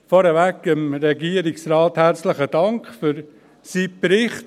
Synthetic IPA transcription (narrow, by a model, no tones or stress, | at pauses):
fɔɾəvækɪmɾɛɡiːəɾɪksrɑːthæɾt͡slɪχəd̥ɑŋkχfyɾ | siːpɾɪχt